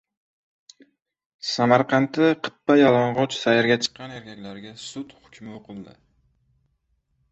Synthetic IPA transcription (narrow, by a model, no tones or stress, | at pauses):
samaɾqʰɑnt̪ʰɪqʰɨ̥t̪̚ːajalˠɒɴʁɒt͡ʃsajaɾɡʲat͡ʃʰɨ̥qːɑneɾkʲʰakʲlaɾɡʲasʊt̪hʊkʲmɪoqʰɨlˠd̪ɪ̰